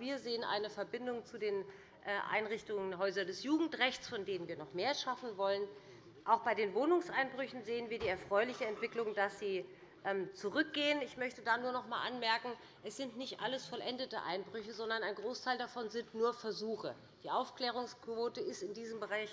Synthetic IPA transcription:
viːɐzeːənʔa̰ɪnəfɛɐbɪndʊŋt͡sudeːn | ʔɛʔa̰ɪnʁɪçtʊŋənɦɔʏzɐdɛsjuːɡŋ̩tʁɛçt͡sfɔndeːnənviːɐnɔχmeːɐʃafn̩vɔlən | ʔaʊxb̥aɪdeːnvoːnʊŋsʔaɪnbʁʏçn̩zeːənviːɐdiːɛɐfʁ̥ɔʏlɪçəɛntv̥ɪklʊŋd̥asz̥iː | ʔɛmt͡suʁʏk̚ɡ̥eːənɪçmœçtədaːnuːɐnɔχmaːlʔanmɛɐkŋ̩ | ʔɛsz̥ɪntnɪçtʔa̰ləsfɔlʔɛndətə̰ʔa̰ɪnbʁʏçəzɔndɐnaɪnɡʁoːstʰaɪldafɔnzɪntnuːɐfɛɐzuːxə | d̥iːʔaʊfkl̥ɛːʁʊŋskv̥oːtəɪstɪndiːzəmbəʁaɪç

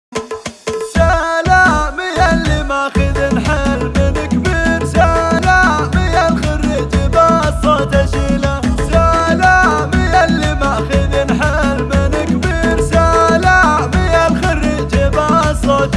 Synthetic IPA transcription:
ʃalamɪjalːimaʔxɪðinħɪlmɪnɪkbiːɾʃalamɪjalxarːiːd͡ʒibasˤɑt̪aʃilaʃalamɪjalːimaʔxɪðinħɪlmɪnɪkbiːɾʃalamɪjalxarːiːd͡ʒibasˤɑt̪

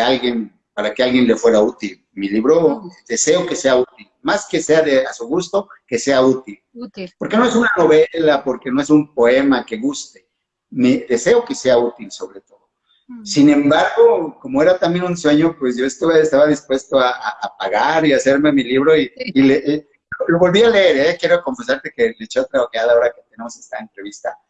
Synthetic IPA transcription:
ealɣjen | paɾakealɣje̞nle̞fwe̞ɾaut̪il | miliβɾo̞d̪e̞se̞o̞ke̞se̞aut̪ilmaske̞se̞aðeasuɣust̪o̞ke̞se̞aut̪ilpo̞ɾke̞noe̞sunano̞βelapo̞ɾke̞no̞e̞sumpo̞e̞make̞ɣust̪e̞̥ | med̪e̞se̞o̞ke̞se̞aut̪ilso̞βɾe̞t̪o̞ðo | sinẽ̞mbaɾɣo̞ko̞mo̞e̞ɾat̪ambje̞nunswe̞ɲo̞pwesʝo̞est̪uβaest̪aβaðispwe̞st̪oaaʔːpaɣaɾiase̞ɾme̞miliβɾo̞iileʔ | loloβo̞lβiale̞eɾaakje̞ɾoko̞ɱfes̬aɾt̪e̞kelet͡ʃeot̪ɾaoɣjaðaoɾaket̪e̞ne̞mo̞se̞st̪ae̞nt̪ɾe̞βist̪a

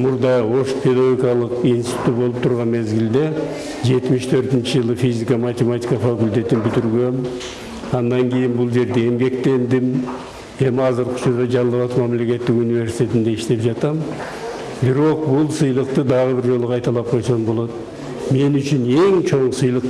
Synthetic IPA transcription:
mʊɾd̪ɑo̞ʃpʰe̞d̪aɡʲikʲijɑlˠəqinsi̥t̪ut̪bo̞lˠəp̚t̪ʰʊɾʁɑnme̞zɡʲɪld̪e̞ | ʒe̞t̪mɪʃt̪ʰøɾt̪ɪnt͡ʃɪʒəlˠəfizikamat̪ʲe̞mat̪ʲijkafakʊlʲt̪e̞t̪ɪnbʏt̪ɪɾɡʲe̞m | ɑnːɑŋkʰʲe̞jɪnbʊlˠʒe̞ɾd̪e̞emɡʲe̞kt̪e̞nd̪ɪm | e̞mɑzəɾqʰʊ̥ʃʰʊɾd̪ɑʒɑnˠːɑβɑt̪mæmle̞kʲe̞t̪ːɪkunijve̞ɾsi̥t̪ʰe̞t̪ɪnd̪e̞ɪʃt̪e̞pʒɑt̪ɑm | bɪɾo̞q̚bʊlˠsɨjlˠəq̚t̪əd̪ɑʁəbɪɾʒo̞lˠəqʰɑjt̪ɑlˠɑp̚qʰo̞jsɑmbo̞lˠɑt̪ | me̞nʏt͡ʃʏne̞ŋt͡ʃʰo̞ɴəsɨjlˠəq

